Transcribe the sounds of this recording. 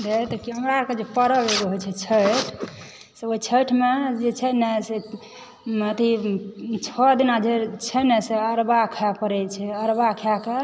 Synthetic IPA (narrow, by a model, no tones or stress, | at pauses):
d̪et̪ɔkiəmɾaɾked͡ʒepəɾəbeɡ̪eɦojt͡ʃʰɛt͡ʃʰəʈ | seoit͡ʃʰəʈmed͡ʒet͡ʃʰɛnɛse | ət̪i | t͡ʃʰɔd̪inad͡ʒet͡ʃʰɛnɛseəɾbakʰapəɾɛt͡ʃʰɛəɾbakʰjake